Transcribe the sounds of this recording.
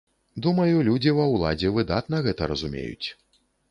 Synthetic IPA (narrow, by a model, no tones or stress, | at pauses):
d̪umɐjulʲud͡zʲivɐwlˠa̰d͡zʲɛvɨd̪at̪nɐɣɛt̪ɐɾɐzumʲḛjṵt͡sʲ